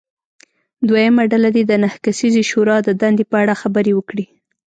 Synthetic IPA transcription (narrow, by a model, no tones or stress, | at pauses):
d̪wajamaɖalad̪ed̪ənahkasizeʃoɾɑd̪əd̪and̪epəaɽaxabəɾewəkɽi